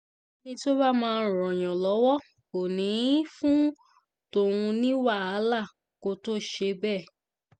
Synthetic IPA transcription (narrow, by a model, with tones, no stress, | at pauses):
nĩ˧to˦ba˦mãː˧˦˧ɾ̃ɔ̃˨j̃ɔ̃˨lɔ˨˦wɔ˦ | ko˨nĩ˨˦fũ˦ | to˦˨ũ˧nĩ˦wa˦˨a˨˦la˦˨ | ko˦to˦ʃe˧bɛ˦˨